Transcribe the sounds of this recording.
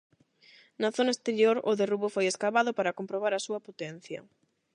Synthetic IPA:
nɐθonɐest̪eɾjoɾʊðeruβʊfojeskaβaðʊpaɾɐkompɾoβ̞aɾɐsuɐpot̪ɛn̟θjɐ̰

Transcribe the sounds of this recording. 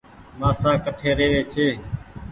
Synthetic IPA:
maːsãːkəʈʰeːɾeːʋeːt͡ʃʰeː

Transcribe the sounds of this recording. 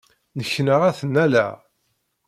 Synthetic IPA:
nəçːnəʁæθənːælæ̰

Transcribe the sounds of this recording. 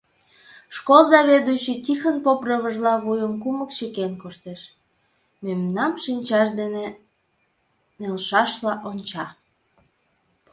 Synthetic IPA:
ʃkolzɑβed̪yt͡ɕit̪ʲixənpoprəβəʒlɑβujəmkuməkt͡ɕekenkoʃt̪eʃ | memnɑmʃinʲt͡ɕɑʃd̪ene | nelʃɑʃlɑʔonʲt͡ɕɑ

